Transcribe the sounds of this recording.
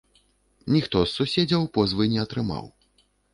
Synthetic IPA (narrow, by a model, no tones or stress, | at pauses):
nʲixt̪ɔsːusʲed͡zʲɐwpɔzvɨjnʲɛɐt̪ɾɨma̰w